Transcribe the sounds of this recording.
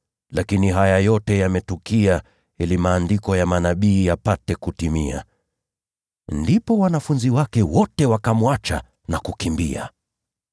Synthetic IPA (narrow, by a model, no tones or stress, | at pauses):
lakiniɦajajɔtɛjamɛtukia | ɛlimaːndikɔjamanaɓiːjapatɛkutimia̰ | ndipɔwanafunziwakɛwɔtɛwakamwat͡ʃa̰ | nakukimbia̰